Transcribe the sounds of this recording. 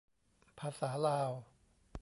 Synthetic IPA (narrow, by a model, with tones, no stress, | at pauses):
pʰaː˧saː˩˦laː˧w